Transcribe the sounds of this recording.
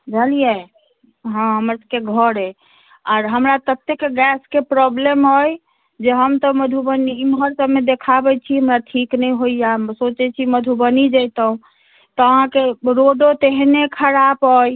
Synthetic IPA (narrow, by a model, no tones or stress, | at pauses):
d͡ʒʱəlije | ɦɔ̃ɦəməɾsəbkeɡʱəɾe | aɾɦəmɾat̪ət̪ekːɡɛskepɾɔblemɦoj | d͡ʒeɦəmt̪ɔməd̪ʱubəniimɦəɾsəbmed̪ekʰabɛt͡ʃʰiɦəmɾaʈʰiknɛjɦoijasot͡ʃɛt͡ʃʰiməd̪ʱubənid͡ʒəjt̪əũ | t̪ɔəɦãkeɾoɖot̪eɦnekʰəɾapɦoj